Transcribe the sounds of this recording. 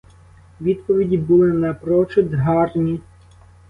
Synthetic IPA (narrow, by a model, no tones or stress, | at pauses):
ʋʲid̪pɔʋʲidʲibʊlˠɪnɐpɾɔt͡ʃʊd̪ɦɑrnʲi